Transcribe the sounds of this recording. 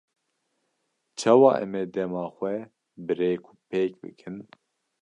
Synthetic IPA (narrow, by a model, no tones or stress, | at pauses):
t͡ʃʰɑwɑ̰ːʔɛ̰mɛːd̪ɛmɑːxʷɛ | bɨɾeːkʰu̥pʰeːkbɨ̰kʰɨn